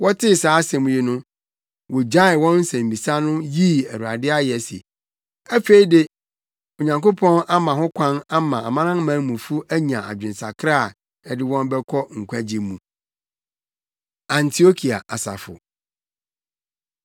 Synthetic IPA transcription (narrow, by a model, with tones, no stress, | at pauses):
wɔ˦tʰɪ˦saː˨˦sɛ̃˨mũ˨ji˦nʊ̃˦ | wɔ˨d͡ʑa˦ɪ˨wɔ̃˦nn̩˦sɛ̃˨m̩˨bi˨sa˦nʊ̃˦ji˦æ˨ɾu˨a˨dɪ˦a˦jɛ˨sḛ˨ | æ˦fe˨i˦dɪ˦ | o˨ɲã˨ŋko˦pʰɔ̃˦na˦mã˨ɦʊ̃˦kʷʰã˦na˦mã˨a˨mã˦nã˦mã˨˦mũ˨fu˦æ˦ɲã˨a̰˨d͡ʑᶣɪ̃˨n˨sa̰˨kʰɾa˦˨ | ɛ˨dɪ˦wɔ̃˦m˦bɛ˦kʰɔ˦ŋ̩˨kʷʰa˦d͡ʑi˨mũ˨ | ã˨ntʰi˦o˦kʰi˨a̰˨ʔa˨sa̰˨fʊ̰˨